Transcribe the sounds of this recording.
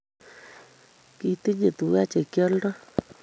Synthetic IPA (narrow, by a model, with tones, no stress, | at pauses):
ki˧t̪i˦ɲe˨t̪u˨ɣa˦t͡ʃe˨kjɔ˦ldɔ˦